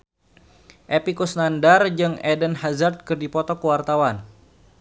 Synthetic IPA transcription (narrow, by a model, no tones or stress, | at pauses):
ʔepikusnandard͡ʒɨŋɛdənhazard̪̚kɨrdipɔt̪ɔkəwart̪awan